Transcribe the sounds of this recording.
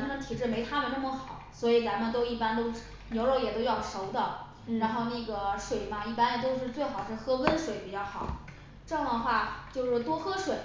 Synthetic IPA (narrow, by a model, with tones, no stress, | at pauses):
kʰn˧˥t̪ʰi˨˩ʈ͡ʂɻ̩˥˩me˧˥ɪt̪ʰa˥mə˨nna˥˩mə˩xɑ˨˩˦ʊswɔ˧˥i˧˩t͡sa˧˥nmə˨˧t̪o˥ʊi˥˩pa˥nt̪o˥ʊ | njo˧˥ʊɻo˥˧˩ʊjɛ˨˩t̪o˥ʊjɑ˥˩ʊʂo˧˥ʊd̪ə˧˨ | ɻa˧˥nxo˥˧ʊna˥˩ɡə˩ʂwe˨˩ɪmɐ˧i˥˩pa˥n˨˩t̪̬o˥ʊʂ̬ɻ̩˥˧t͡swe˥˩ɪxɑ˨˩ʊʂɻ̩˥˩˧xɤ˥kə˥nʂwe˨˩˦ɪpi˨˩t͡ɕjɑ˥˩ʊxɑ˨˩˦ʊ | ʈ͡ʂɤ˥˧˥ŋ˩d̪ə˩xwa˥˩t͡ɕjo˥˧ʊʂ̩ɻ̩˧˥˩t̪wɔ˥xɤ˥ʂwe˨˩˦